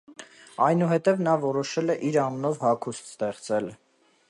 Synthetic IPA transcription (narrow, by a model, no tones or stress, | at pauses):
ɑjnuɦɛt̪ɛvnɑvɔɾɔʃɛlɛʔiɾɑmnɔvhɑkʰust̪st̪ɛχt͡sɛl